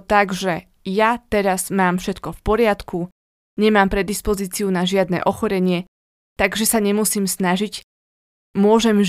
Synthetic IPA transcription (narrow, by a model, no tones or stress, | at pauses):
t̪aɡʒɛ | jat̪ɛɾazmaːmfʃɛt̪kɔfpɔɾɪat̪kʰu | ɲɛmaːmpɾɛd̪ispɔziːt͡siunaʒɪad̪nɛ̰ːʔɔxɔɾɛɲɪɛ | t̪aɡʒɛsaɲɛmusiːmsnaʒic | mʊɔʒɛm